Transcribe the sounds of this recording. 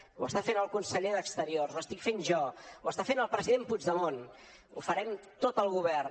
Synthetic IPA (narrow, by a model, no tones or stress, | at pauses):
uəst̪afenəlˠkunsəʎeðəkst̪əɾiorzwəst̪ikfenʒɔwəst̪afenəlˠpɾəziðempud͡ʒðəmon | ṵfəɾɛmt̪ot̪əlˠɣuβɛr